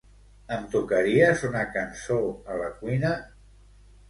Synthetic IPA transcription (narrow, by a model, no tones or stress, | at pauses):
ənt̪ukəɾiəzunakansoələkuijnə